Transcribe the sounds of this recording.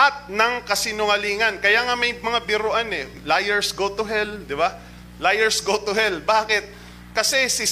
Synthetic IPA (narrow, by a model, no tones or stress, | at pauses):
ʔɐt̪̚nɐŋkɐsɪnʊŋɐliːŋɐnkɐjaːŋamɐjmɐŋabɪɾʊʔanɛ | lajɛɹsɡot̪ʊɦɛld̪ɪba | lajɛɹsɡot̪ʊɦɛlbaːkɪt̪̚ | kɐsɛsɪ